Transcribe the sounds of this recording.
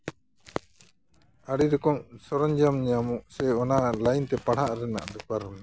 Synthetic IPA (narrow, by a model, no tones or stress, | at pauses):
aɽiɾɔkɔmsɔɾɔɲd͡ʒamɲamɔʔsɛɔnalajnt̪ɛpaɽ̤haʔɾɛna̰ʔd̪ukaɾɔna